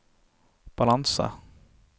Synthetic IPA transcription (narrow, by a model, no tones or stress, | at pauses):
b̥alansa̰